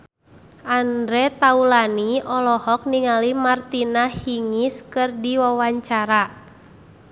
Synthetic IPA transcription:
ʔandɾɛt̪aulaniʔɔlɔhɔk̚niŋalimart̪inahiŋiskɨrdiwawaɲt͡ʃaɾa

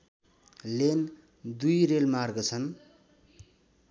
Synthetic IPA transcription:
len | d̪ujrelmarɡʌt͡sʰʌn

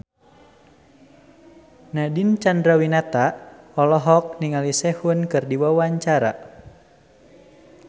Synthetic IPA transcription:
nadint͡ʃandɾawinat̪aɔlɔɦɔk̚niŋalisɛhunkɨrdiwawaɲt͡ʃaɾa̰

